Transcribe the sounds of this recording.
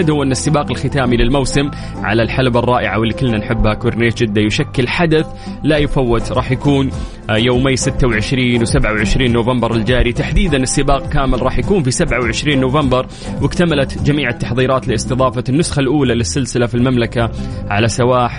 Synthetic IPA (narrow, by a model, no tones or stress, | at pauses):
ɪd̪hʊwːʔɪnːasːɪbaːqɪlxɪt̪aːmilɪlmawsɪm | ʕa̰lalħalbɑrˤːɑːʔɪʕawɪlːikɪlːnanħɪbːhakʊɾneːt̪̚d͡ʒɪd̪ːajʊʃakːɪlħad̪aθ | lajʊfawːɪt̪ɾˤɑːħjakuːn | joːmɪjːsɪt̪ːawʕɪʃɾiːnwsabʕawʕɪʃɾiːnːoːvambɑɾˤɪld͡ʒaːɾit̪aħd̪iːd̪anɪsːɪbaːq̚kaːmɪlɾˤɑːħjakuːnfisabʕawʕɪʃɾiːnːʊvɑmbɑɾˤ | wɪkt̪amalat̪d͡ʒamiːʕat̪ːaħðˤiːɾˤɑːt̪lɪɪst̪ɨðˤɑːfanːʊsxalʔuːlalɪsːɪlsɪlafilmamlakaʕalasawaːħ